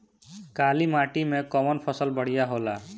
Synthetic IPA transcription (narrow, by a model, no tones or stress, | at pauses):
kaːlimãːʈimẽkɔmənpʰəsəlbəɽ̤ijaɦoːlaː